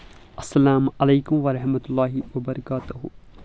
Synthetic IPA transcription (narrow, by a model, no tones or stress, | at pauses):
ʔɐsːɐlaːmɐleːkʊmʋɐɾɐħmɐt̪ʊlːaːɦɪʋɐbɐɾɐkaːt̪ʊɦʊ̰